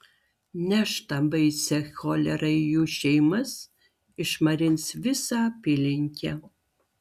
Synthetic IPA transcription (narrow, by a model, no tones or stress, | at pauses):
nʲɛʃt̪ɐbɐɪsʲɛxʲoːlʲɛɾɐɪjuːʃʲɛɪmɐs | ɪʃmɐɾʲɪnʲsʋʲɪsɑpʲɪːlʲɪŋʲkʲɛ